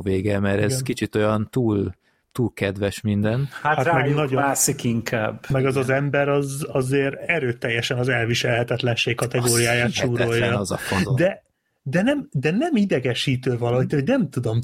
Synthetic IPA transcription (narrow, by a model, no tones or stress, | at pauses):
veːɡɛmɛɾɛzkit͡ʃit̪o̞jɒnt̪uːl | t̪uːlkɛd̪vɛʃmind̪ɛnhathat̪mɛɡnɒɟomasikiŋkʰa̰ːbmɛɡɒzɒzɛmbɛɾɒzɒzeːɾɛɾøːt̪ɛjːɛʃɛnɒzɛlviʃɛlɦɛt̪ɛt̪lɛnʃeːkkɒt̪ɛɡoːɾijaːjaːt̪ʃuːɾo̞jːɒzɒfod̪ɛ | d̪ɛnɛmd̪ɛnɛmid̪ɛɡɛʃiːt̪øːvɒlɒɦit̪hoɟnɛmt̪ud̪o̞m